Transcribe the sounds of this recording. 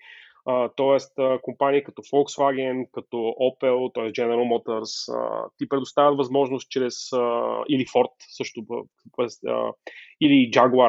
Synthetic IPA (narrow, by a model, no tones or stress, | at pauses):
ət̪ɔɛst̪əkompaniikɐt̪ɔfɔlˠksvaɡɛnkɐt̪ɔʔɔpɛlˠt̪ɔɛsd͡ʒɛnɛɾəlˠmɔt̪əɾsə̰t̪ipɾɛd̪ost̪avət̪vɐzmɔʒnost̪̚t͡ʃɾɛsəilifɔɾt̪sɤʃt̪ʊ | pɛsə̰ilid͡ʒaɡə